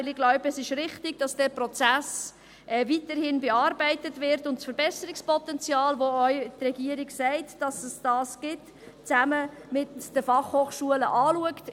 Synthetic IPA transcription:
ɪlɪɡlɔʊbəəsɪʃɾɪχtɪɡ̥d̥ɑsd̥ɛːɾprɔt͡sæs | ʔɛvitəɾhɪnbeɑːɾbɛɪtətʋɪɾtʊntsfəɾbɛsəɾɪkspʰɔtɛnt͡sjɑːlʋoœʏtrɛɡiəɾɪɡsɛɪtd̥ɑsəsd̥ɑːsɡ̥ɪt | t͡sæməmɪtd̥əfɑχhoːχʃuələʔɑːluəkt

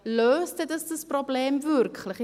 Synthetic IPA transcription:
løːsdətəsdəsprobleːmvʉrkχləχ

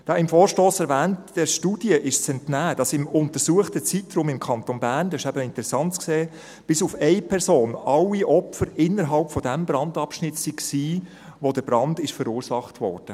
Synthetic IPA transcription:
d̥ɑɪmfoːɾʃtoːsɛɾʋɛːntd̥ɛɾʃtud̥iəʔɪʃt͡sɛntnæːd̥ɑsɪmʊntəɾsuːəχtət͡sitɾʊːmɪmkʰɑntonbæɾndɛɪʃæbəɪntəɾɛsɑntt͡skseː | b̥ɪsufɛɪpʰɛɾsoːnɑlːiʔɔpfəɾɪnəɾɦɑlpfɔdæmbɾɑndɑpʃnɪtsikksiː | ʋodəb̥ɾɑndɪʃfəɾuːɾsɑχtʋɔ̰ːrd̥ə

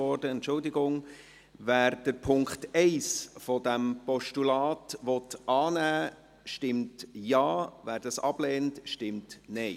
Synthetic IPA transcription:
ɔɾdəɛntt͡ʃʊldɪɡʊŋ | væːɾd̥əɾpʰʊŋkχtɛɪsfɔdæmpɔʃtulɑːtʋɔtʔɑːnæː | ʃtɪmtjɑːvæːɾd̥ɑsɑb̥leːntʃtɪmtnɛɪ

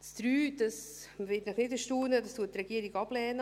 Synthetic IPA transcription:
t͡sd̪̥ɾyːd̥ɑs | vɪtnəχnɪtəʃtuːnədɑstuət̚ːrɛɡ̥iəɾɪɡɑb̥lɛːnə

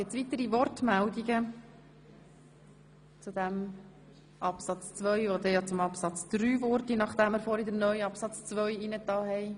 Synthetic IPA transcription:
ɛt͡sʋit̪əɾivɔɾtmæld̪iɡə | t͡sud̪æm | ʔɑpsɑt͡st͡sʋœʏʋod̪ɛjɑt͡sʊmɑpsɑt͡sd̪̥ɾyːvɔɾtinɑχd̥̪æməɾfɔɾid̪əɾnœʏɑpsɑt͡st͡sʋœʏinət̪ɑːɦɛɪ

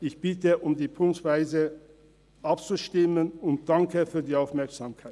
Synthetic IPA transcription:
ɪçb̥ɪtəʔʊmdiːpʰʊŋktv̥aɪzə | ʔapt͡suʃtɪmənʊnt̚d̥aŋkəfyːɐdiːaʊfmɛɐkz̥aːmkʰaɪ

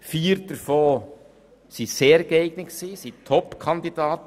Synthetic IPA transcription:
fiːəɾdəɾfoː | siseːɾɡ̥əɛɪɡ̥nəksiːsitʰɔpkʰɑnd̪idɑːt̪

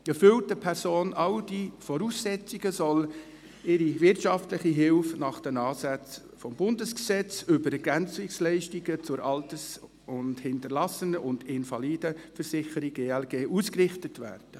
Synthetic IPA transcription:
ɛfʏltəpʰɛɾsoːnʔɑld̥ifɔɾuːsːɛt͡siɡ̥əsɔl | ɪɾivɪrtʃɑftlɪχiɦɪlfnɑχd̥ɛmɑːsæt͡s | fɔmbʊndəsksɛt͡sʏbəɾɛɡænt͡sɪkslɛɪʃtiɡət͡sʊɾɑltəs | ʊndhɪntəɾlɑsənəʔʊndɪnfɑliːdəfəɾsɪχəɾiɡeːɛlɡeːʔuːskrɪχtətvæ̰ːrd̥ə

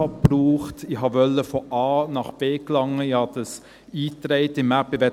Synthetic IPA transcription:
ɑb̥ruːχtɪɦɑʋœləfɔʔɑːnɑχb̥eːklɑŋəɪhɑdɑs | iːtɾeɪtɪmːæpːɪʋɛ

